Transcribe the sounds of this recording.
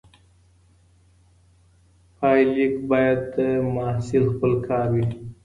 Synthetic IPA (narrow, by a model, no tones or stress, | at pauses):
fɑːjlikbɑjad̪əmɑsɪlxpəlkʰɑːɾwi